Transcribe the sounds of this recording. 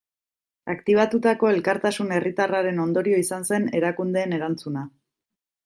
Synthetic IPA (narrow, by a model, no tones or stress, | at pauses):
akt̪iβ̞at̪ut̪ako̞e̞lkaɾt̪asune̞rit̪araɾe̞no̞nd̪o̞ɾio̞isanse̞ne̞ɾakund̪e̞ːne̞ɾant͡suna